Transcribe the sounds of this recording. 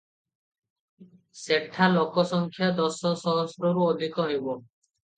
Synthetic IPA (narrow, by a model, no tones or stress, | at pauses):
seʈʰːalokɔsɔŋkʰjad̪ɔsɔsɔɦɔsɾɔɾuod̪ʱikɔɦejbɔ